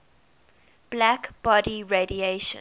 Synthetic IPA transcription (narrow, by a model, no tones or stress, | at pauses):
b̥lækb̥ɔdiɹedieʃə̰̃n